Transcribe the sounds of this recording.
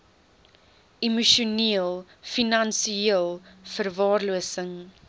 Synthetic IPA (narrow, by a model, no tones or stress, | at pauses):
imuʃuniəlˠ | finɐnsiiəlˠfərvɑːrluəsəŋ